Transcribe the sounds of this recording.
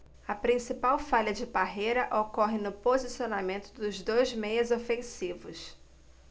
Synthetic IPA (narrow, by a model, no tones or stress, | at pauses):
ɐpɾĩsipawfaʎɐd͡ʒɪbaɦejɾɐʔokɔɦɪnʊpozisionamẽnt̪ʊd̪ʊzd̪ojzmejɐzofẽsivʊs